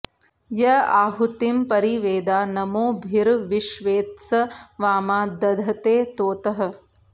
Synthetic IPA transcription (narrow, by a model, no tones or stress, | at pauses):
jɐa̰ːɦut̪impɐɾiʋeːd̪aːnɐmoːbʱiɾʋiʃʋeːt̪sɐʋaːmaːd̪ɐd̪ʱɐt̪eːt̪oːt̪ɐɦɐ̆